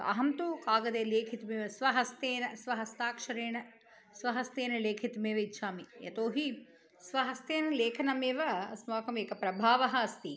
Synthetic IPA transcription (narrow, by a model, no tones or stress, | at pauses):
ɐ̰ɦɐmt̪ukaːɡɐd̪eːleːkʰit̪meːʋɐsʋɐɦɐst̪eːnɐsʋɐɦɐst̪aːkʂɐɾeːɳɐ | sʋɐɦɐst̪eːnɐleːkʰit̪meːʋɐitːʃʰaːmijɐ̰t̪oːɦi | sʋɐɦɐst̪eːnɐleːkʰɐnɐmeːʋɐɐsmaːkɐmeːkɐpɾɐbʱaːʋɐɦɐɐst̪i